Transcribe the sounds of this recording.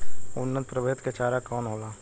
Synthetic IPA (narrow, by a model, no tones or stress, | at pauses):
ʊnːət̪̚pɾəʋeːt̪ket͡ʃaːɾakɔːnɦoːlaː